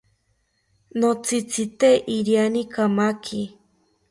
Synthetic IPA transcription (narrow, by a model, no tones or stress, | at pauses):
not͡sʰit͡sʰit̪eʔiɾjanikamakʰi